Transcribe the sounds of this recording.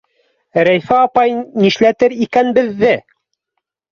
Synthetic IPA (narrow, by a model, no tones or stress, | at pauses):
ɾæjfæɑpɑjniʃlæt̪ɘɾikænbɘ̆ðːɘ